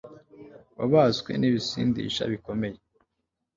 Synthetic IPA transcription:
βaβaskwe̞̰niβisiːndḭʃa̰βiko̞meje

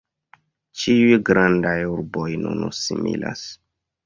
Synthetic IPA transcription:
t͡ʃiujɡɾandajuɾbojnṵnusimḭla̰s

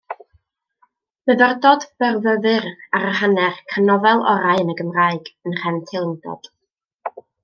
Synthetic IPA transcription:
məðərdɔdb̥ɛrvəðɨraɾəɦanɛrkʰanɔvɛlˠɔ̰ɾaɨənəɡəmraɨɡənr̥ɛntʰɪlˠndɔ̰d̥

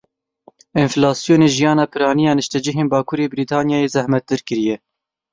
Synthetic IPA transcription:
ɪnflɑːsjoːneːʒijɑːnɑːpʰɨɾɑːnijɑːnɨʃt̪ɛd͡ʒɪɦeːnbɑːkʰuːɾeːbɨɾiːt̪ʰɑːnjɑːjeːzɛhmɛt̪̚d̪ɨɾkɨɾijɛ

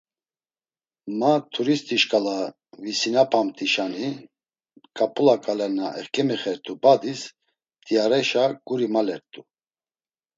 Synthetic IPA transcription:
mat̪ʰuɾist̪ʰʼiʃkʼala | visinapʰamt̪ʼiʃani | kʼapʼulakʼalɛɾnaʔɛχkʼɛmɛχɛɾt̪ʼubad̪is | t̪ʼiaɾɛʃaɡ̥uɾimalɛɾt̪ʼu

